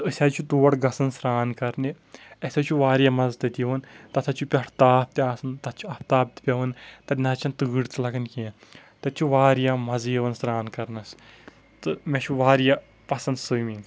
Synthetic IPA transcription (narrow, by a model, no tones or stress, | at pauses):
əsʲaːt͡ʃʰut̪uːɐɽɡɐsɐnsɾaːnkɐɾne | ɐsʲɐt͡ʃʰuʋaːɾijamɐzt̪ɐt̪ʲiʋɐnt̪ɐt̪ʰɐt͡ʃʰupʲɐʈʰt̪aːp̚t̪ʲaːsɨnt̪ɐt̪ʰt͡ʃʰuɐp̚t̪aːp̚t̪ʲipʲɐʋɐnt̪ɐtʲnɐt͡ʃʰɐnt̪ɨɡɨɽt̪ɨlɐkɐnkʲẽː | t̪ɐt͡ʃʰuʋaːɾijamɐzjɐʋɐnsɾaːnkɐɾnɐs | t̪ɨmʲet͡ʃʰuʋaːɾja | pɐsɐnd̪sɨjmiŋɡ